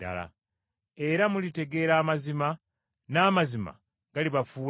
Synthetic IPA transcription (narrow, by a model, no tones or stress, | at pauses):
a̰la̰ | e̞ɾamulite̞ɡe̞ɾaːmazima | naːmazima̰ | ɡ̥aliβafuː